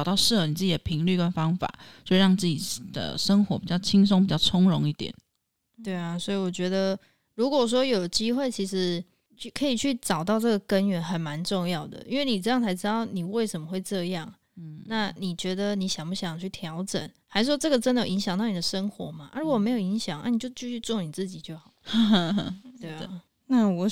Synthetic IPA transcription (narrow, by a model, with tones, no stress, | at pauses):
ɑ˨ʊt̪ɑ˥˧ʊʂɻ̩˥˩˨ni˨˩t͡sɹ̩˥˩t͡ɕi˨˩d̪ə˩pʰi˧˥ŋly˥˩kə˦nfɑ˥ŋfa̰˨˩˦wɔ˥i˨˩ɻɑ˥˩ŋt͡sɹ̩˥˩t͡ɕi˨˩d̪̥ə̰˩ʂə˥ŋxwɔ˧˥pi˨˩t͡ɕjɑ˥˩ʊt͡ɕʰi˥ŋs̬o˥ŋpi˨˩t͡ɕjɑ˥˩ʊʈ͡ʂʰʊ˥ŋɻʊ˧˥ŋi˥˩t̪jɛ̰˨˩˦n | t̪we˥˩ɪa˩swɔ˧˥i˨wɔ˨˩t͡ɕɥɛ˧˥d̪ə˧ | ɻu˧˥kwɔ˨˩ʂ̬wɔ˥jo˨˩ʊt͡ɕi˥xwe˥˩ɪt͡ɕʰi˧˥ʂɻ̩˧˥ | t͡ɕʰy˥˩kʰɤ˧˥i˨˩t͡ɕʰy˥˩ʈ͡ʂɑ˨˩ʊt̪ɑ˥˧ʊʈ͡ʂɤ˥˩ɡə˩kə˦˥nɥɛ˧˥nxə˨˩nma˧˦nʈ͡ʂʊ˥˧ŋjɑ˥˩ʊd̪ə̰˩ʔi˥nwe˥˩ɪni˨˩ʈ͡ʂɤ˥˧jɑ˥ŋt͡sʰa˧˥ɪʈ͡ʂɻ̩˥t̪ɑ˥˩ʊni˨˩we˥˩ɪʂə˧˥nmə˨xwe˥˧ɪʈ͡ʂɤ˥˧jɑ˥˩ŋ | na˥˩ni˨˩t͡ɕɥɛ˧˥d̪ə˧ni˧˥ɕjɑ˨˩ŋpu˥ɕjɑ˨˩ŋt͡ɕʰy˥˩t̪ʰjɑ˧˥ʊʈ͡ʂə̰˨˩˦nxa˧˥ʂwɔ˥ʈ͡ʂɤ˥˩ɡə˩ʈ͡ʂə˥nd̪ə˨jo˨i˧˥ŋɕjɑ˨˩ŋt̪ɑ˥˩ni˨˩d̪ə˦ʂə˥ŋxwɔ̰˨˧˥ma˨ʔa˥ɻu˧˦kɔ˨me˧˥ɪjo˨˩ʊi˧˥ŋɕjɑ˨˩˦ŋna̰˥˩ni˨˩t͡ɕjo˥˧ʊt͡ɕy˥˧ɕy˥˧t͡swɔ˥˩ni˨˩t͡sɹ̩˥˩t͡ɕi˨˩t͡ɕjo˥˩ʊxɑ˨˩ʊ˧˥˧ | t̪we˥˩ | na˥˩wɔ˨˩